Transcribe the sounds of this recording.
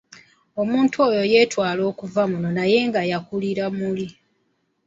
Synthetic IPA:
o̞muːntʰo̞jo̞je̞ːtwaːlo̞ːkuvamuno̞naje̞ːŋɡajakuliɾamuli

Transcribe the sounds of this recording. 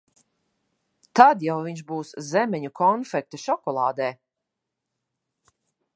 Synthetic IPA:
t̪ad̪jawviɲʃbuːszɛmɛɲukʰɔnfɛk̚t̪aʃɔkɔlˠɑːd̪ɛː

